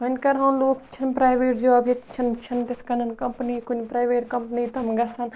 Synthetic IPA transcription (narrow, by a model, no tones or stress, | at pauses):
ɦɐnʲkɐɾɦɐnloːkt͡ʃʰɐnpɾaːjʋeːʈd͡ʒɐʋaːbjɐt̪t͡ʃʰɐnt͡ʃʰɐnt̪ɐt̪ʰkɐnɐnkɐmpnikunʲpɾaːjʋeːʈkɐmpnit̪ɐmɡɐsɐn